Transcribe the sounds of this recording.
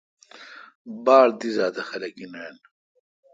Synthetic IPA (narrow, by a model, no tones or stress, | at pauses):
baːɾd̪izaːd̪ɐxɐlɐkinen